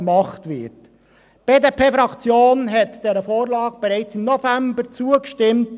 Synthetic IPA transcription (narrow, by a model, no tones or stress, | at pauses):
mɑχtʋɪ̰t | b̥eːdepʰeːfɾɑkt͡sjoːnɦɛtd̥ɛɾəfoːɾlɑːɡ̚b̥ɛɾɛɪt͡simnɔfæmbəɾt͡suəkʃtɪmt